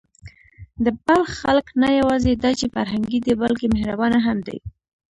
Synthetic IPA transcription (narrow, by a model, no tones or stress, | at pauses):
d̪əbalxːalknajawɑzed̪ɑt͡ʃefaɾɦaŋɡid̪ibalkemahɾabɑnaɦamd̪a̰j